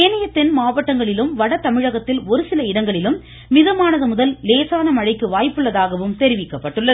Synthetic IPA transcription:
eːnɐjɐt̪ːɛnmaːʋɐʈːɐŋɡɐɭɪlɯmʋɐɽɐt̪ɐmɪɻɐɣɐt̪ːɪlɔɾɯsɪlɐɪɽɐŋɡɐɭɪlɯmː | ɪðɐmaːnɐðɯmʊðɐlleːsaːnɐmɐɻɐɪkːɯʋaːjpːɯɭːɐðaːɣɐʋɯmt̪ɛɾɪʋɪkːɐpːɐʈːɯɭːɐ

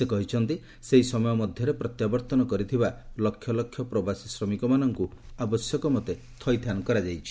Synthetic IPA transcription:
sekɔɦit͡ʃʰɔnt̪i | seɦisɔmɔjɔmɔd̪ʱjɔɾepɾɔt̪jabɔɾt̪ɔnɔkɔɾit̪ʰibalɔkʰːjɔlɔkʰjɔpɾɔbasisɾɔmikɔmanɔŋkuabɔsjɔkɔmɔt̪e | t̪ʰɔjt̪ʰjanɔkɔɾad͡ʒajt͡ʃʰi̥

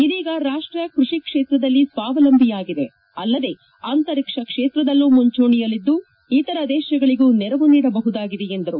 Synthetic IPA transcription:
id̪iːɡɐɾaːʂʈɾijɐkɾuʂikʂeːt̪ɾɐd̪ɐlːisʋaːʋɐlɐmbʱijaːɡid̪e̞ | ɐlːɐd̪e̞ | aːnt̪ɐɾikʂɐkʂeːt̪ɾɐd̪ɐlːumuɲt͡ʃoːɳijɐlːid̪ːu | it̪ɐɾɐd̪ɛːʃɐɡɐɭiɡuːnɛɾɐʋuniːɽɐbɐɦud̪aːɡid̪eend̪ɐɾu

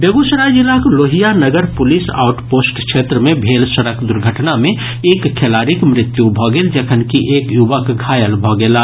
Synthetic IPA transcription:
beɡusɾad͡ʒilakloɦijanəɡəɾpʊlisa̰ːʊʈpoːsʈkʃʰet̪ɾəmẽbʱeːlsəɾəkd̪ʊɾɡʱəʈnamẽ | eːkʰːelaɾikmɾɪt̪jubʱɔɡeld͡ʒəkʰənkiʔeːkjubəkɡʱaːjəlbʱɔɡela

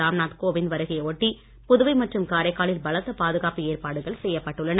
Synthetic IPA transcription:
aːmnaːt̪koːʋɪnʋɐɾɐɣɪjɐoːʈːi | pʊðʊʋɐɪmɐʈrɯmkaːɾɐɪkːaːɭɪlbɐlɐt̪ːɐpaːðɯɣaːpɯeːrpaːɽɯɣɐɭsɛjːɐpːɐʈːɯɭːɐnɐ

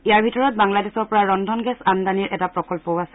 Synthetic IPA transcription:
iaɹbʱitɔɹɔt̚baŋladɛsɔɹpɔɹaɹɔndʱɔnɡɛsandaniɹʔɛtapɹɔkɔlpɔwasɛ

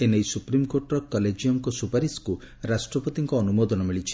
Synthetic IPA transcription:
enejsupɾimkoɾʈɾɔkɔled͡ʒijɔŋkɔsupaɾisku | ɾasʈɾɔpɔt̪iŋkɔːnumod̪ɔnɔmiɭit͡ʃʰi̥

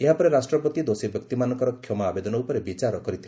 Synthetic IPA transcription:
eɦapɔɾeɾasʈɾɔpɔt̪id̪osibjɔkt̪imanɔŋkɔɾɔkʰjɔmɔabed̪ɔnɔupɔɾebit͡ʃaɾɔkɔɾit̪ʰile

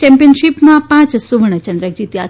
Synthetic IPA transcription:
t͡ʃɛ̃mpiənʃipmãpãt͡ʃsuʋɳət͡ʃənd̪ɾəd͡ʒit̪ja

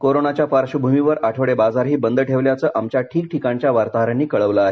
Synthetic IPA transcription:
koɾonat͡ɕjapaɾɕubʱumiʋəɾaʈʰəʋɽebad͡zaɾɦiːbənd̪ʱəʈʰeʋljat͡səːʔamt͡ɕjaʈʰiːk̚ʈʰikaɲt͡ɕjaʋaɾt̪aɦəɾanːiːkəɭəʋləaɦe

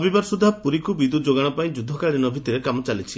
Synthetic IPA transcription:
ɔbibaɾsud̪ʱapuɾikubid̪ud͡ʒoɡaɽ̃ɔpaĩd͡ʒud̪ʱːɔkaɭɾinɔbʱit̪iɾekamɔt͡ʃalit͡ʃʰi

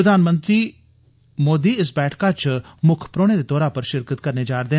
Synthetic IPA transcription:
əd̪ʱaːnmə̃nt̪ɾiː | moːd̪iːɪsbɛːʈʰkaːt͡ʃmʊkʰpɾoːneːd̪eːt̪ɔːɾaːpəɾʃɪɾkət̪̚kəɾneːd͡ʒaːɾd̪eː

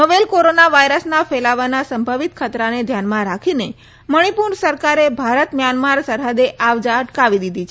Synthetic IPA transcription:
ɦəʋelkoɾonaʋajɾəsnafelaʋanasəmbʱəʋit̪̚kʰət̪ɾaned̪ʱjanmãɾakʰine | məɽ̃ipuɾɳsəɾkaɾebʱaɾət̪mjanmaɾsəɾɦəd̪eʔaʋd͡ʒaəʈkaʋid̪id̪ʱit͡ʃʰ

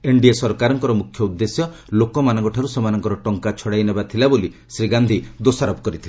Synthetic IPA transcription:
eɳɖiesɔɾkaɾɔŋkɔɾɔmukʰːjɔud̪ːesjɔ | lokɔmanɔŋkɔʈʰaɾusemanɔŋkɔɾɔʈɔŋkat͡ʃʰɔɽajnebat̪ʰilabolisɾiɡand̪ʱid̪osaɾɔbɔkɔɾit̪ʰila

